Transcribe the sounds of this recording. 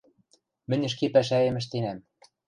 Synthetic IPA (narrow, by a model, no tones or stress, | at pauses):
mɘ̆nʲɘ̆ʃ̬kepæʃ̬æĕmɘ̆ʃ̬t̪enæm